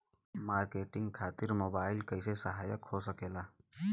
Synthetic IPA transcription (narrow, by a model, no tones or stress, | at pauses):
maːɾkeːʈɪ̃ŋɡkʰaːt̪ɪɾmoːbaːɪlkəɪsesɐɦaːjəkhoːsəkeːlaː